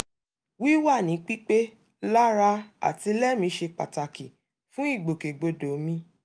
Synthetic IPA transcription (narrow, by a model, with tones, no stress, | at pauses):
wi˦wa˦˨nĩ˨˦k͡pi˦k͡pe˦ | la˦ɾa˧a̰˦˨ti˧lɛ˦˨mĩ˧˦ʃe˧k͡pa̰˨ta˨ki˨ | fũ˦i˦˨ɡ͡bo˨ke˨ɡ͡bo˧do˨˦mĩ˧